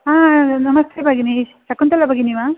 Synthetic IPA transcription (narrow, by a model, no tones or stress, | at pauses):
aːnɐmɐst̪ʰebʱaːɡinisɐkːunt̪ɐlːɐbʱaɡiniʋaː